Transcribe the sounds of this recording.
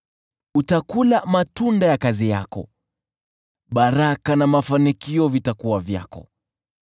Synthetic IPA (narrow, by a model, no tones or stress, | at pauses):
utakulamatundajakazija̰kɔ̰ | ɓaɾakanamafanikiɔvitakuwavja̰kɔ̰